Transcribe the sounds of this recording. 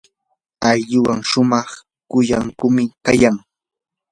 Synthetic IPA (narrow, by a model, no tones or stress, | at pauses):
aʎʎʊwaŋʃʊmɑχ | kʊjaŋkʊmɪkajaŋ